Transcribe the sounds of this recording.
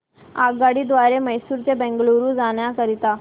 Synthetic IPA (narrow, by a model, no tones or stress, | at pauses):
a̰ɡaɽiːd̪ʋaɾeməjsuːɾt͡sebɛ̃ŋɡloɾũd͡zaɳjakəɾit̪a